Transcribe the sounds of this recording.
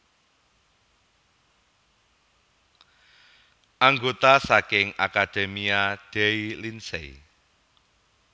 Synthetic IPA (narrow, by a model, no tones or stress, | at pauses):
ʔaŋɡot̪asakɪŋa̰kad̪̥emiaɖ̥ɛilinsḛi